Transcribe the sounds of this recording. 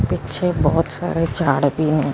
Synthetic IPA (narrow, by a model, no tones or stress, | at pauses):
pɪtːt͡ʃʰebɔːt̪sa̰ːɾed͡ʒʱaːɽpinɛ̃